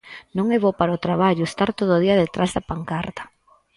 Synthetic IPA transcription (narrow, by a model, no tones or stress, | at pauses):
nõŋɛβopaɾaot̪ɾaβ̞aʎʊest̪aɾt̪oðoðiɐðet̪ɾazðɐpaŋkaɾt̪ḁ